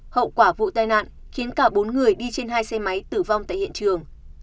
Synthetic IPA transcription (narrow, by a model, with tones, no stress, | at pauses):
hə̰˧˨wkwaː˧˩vṵ˧˨t̪aː˧jna̰ː˧˨n | xi˨˦ənkaː˧˩ɓo˨˦nŋɨ˨˩əjɗi˧t͡ɕe˧nɦaː˧jsɛ˧ma˨˦jt̪ɨ˨˩va˧wŋ͡mt̪a̰ː˧˨jhḭ˧˨ənt͡ɕɨ˨˩əŋ